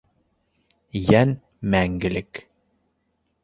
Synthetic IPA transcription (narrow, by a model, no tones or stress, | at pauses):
jæn | mæŋɡɘ̆lɘk